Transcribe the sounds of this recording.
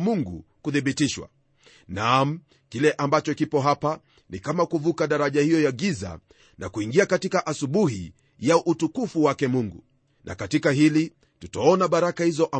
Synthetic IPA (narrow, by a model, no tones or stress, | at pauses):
muŋɡṵkuθiɓitiʃwa̰ | nam̩ | kilɛʔambat͡ʃɔkipɔɦapa | nikamakuvukaɗaɾaʄahijɔjaɡiza̰ | na̰kuiŋɡiakatikaʔasuɓuhḭ | jaʔutukufuwakɛmuŋɡṵ | nʔa̰katikaɦili | tutaɔnaɓaɾakahizɔʔa